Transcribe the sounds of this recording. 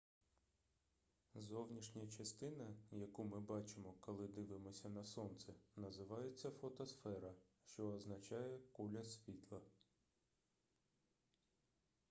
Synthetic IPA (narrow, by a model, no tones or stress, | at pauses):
zɔwnʲiʃnʲɐt͡ʃɐst̪ɪnɐjɐkumɪbɑt͡ʃɪmɔkɔlˠɪd̪ɪʋɪmɔsʲɐnɐsɔnt̪sɛnɐzɪʋɑjet͡sʲːɐfɔt̪ɔsfɛɾɐʃt͡ʃɔːznɐt͡ʃɑjɛkulʲɐsʲʋʲit̪lˠɐ